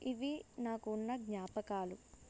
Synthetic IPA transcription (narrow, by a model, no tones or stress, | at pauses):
iʋinaːkuːnːɐɡɲaːpɐkaːlu